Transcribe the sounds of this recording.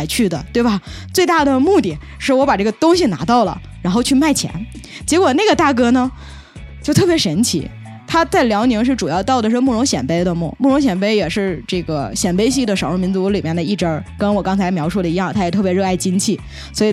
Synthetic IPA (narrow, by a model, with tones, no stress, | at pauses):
ɪt͡ɕʰy˥˩d̪ə̰˩t̪we˥˩ɪbɐ˩ | t͡swe˥˧ɪt̪a˥˩d̪ə˩mu˥˧t̪i˥˩ | ʂɻ̩˥˩wɔ˧˥pa˨˩ʈ͡ʂɤ˥˩ɡə˩t̪ʊ˥ŋɕi˨na̰˧˥t̪ɑ˥˩ʊlə̰˩ | ɻa˧˥nxo˥˧ʊt͡ɕʰy˥˧ma˥˩ɪt͡ɕʰjɛ̰˧˥n | t͡ɕjɛ˧˥kwɔ˨˩na˥˩ɡə˩t̪a˥˩kɤ˥nə˨ | t͡ɕjo˥˧ʊt̪ʰɤ˥˩pjɛ˧˥ʂə˧˥nt͡ɕʰḭ˧˥ | t̪ʰa˥t͡sa˥˩ɪljɑ˧˥ʊni˧˥ŋʂɻ̩˥˩ʈ͡ʂu˨˩jɑ˥˧ʊt̪ɑ˥˩ʊd̪ə˩ʂɻ̩˥˧mu˥˩ɻʊ˧˥ŋɕjɛ̰˨˩npe˥ɪd̪ə˧mṵ˥˩mu˥˩ɻʊ˧˥ŋɕ̬jɛ˨˩npe˥ɪjɛ˨˩ʂɻ̩˥˧ʈ͡ʂɤ˥˩ɡə˩ɕjɛ˨˩npe˥ɪɕ̬i˥˩d̪ə˩ʂɑ˨˩ʊɻə˥˩mi˧˥nt͡su˧˥li˨˩mjɛ˥˩nd̪ə˩i˥˩ʈ͡ʂə˥kə˥nwɔ˨˩kɑ˥ŋt͡sʰa˧˥ɪmjɑ˧˥ʊʂu˥˩d̪ə˩i˧˥jɑ˥˩ŋt̪ʰa˥jɛ˨˩t̪ʰɤ˥˩pjɛ˧˥ɻɤ˥˧a˥˩ɪt͡ɕi˥nt͡ɕʰi˥˩ | swɔ˧˥i˨˩